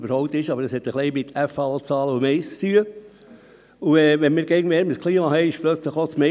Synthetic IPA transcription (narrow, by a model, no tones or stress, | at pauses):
bəɾhɔʊp̚t̪ɪʃɑbəɾəshɛt̪ːəχliɪmɪt̪ʰæfɑot͡sɑːləumɛɪst͡st̪yːə | uɛːʋɛnmɪːɾɡɛɡŋmɛːɾməskʰliːmɑhɛɪɪʃplœt͡sləχot͡smɛ